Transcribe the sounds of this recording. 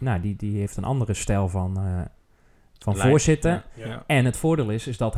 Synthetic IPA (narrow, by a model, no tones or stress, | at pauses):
nawdidiheːftənʔɑ̰ndərəstɛlˠvɔn | fɔnvoəzɪtəɛnətfʊːɹdeːlˠɪsɪzdɔtɦ